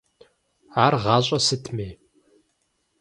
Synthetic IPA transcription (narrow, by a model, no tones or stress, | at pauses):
aːrʁɑːɕʼɐsɨtʰmeː